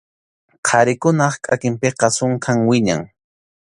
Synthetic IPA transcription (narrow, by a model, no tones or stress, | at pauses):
qʰɑɾɪkʊnɑχkʼakɪmpeqɑsʊŋkʰaŋwɪɲa̰ŋ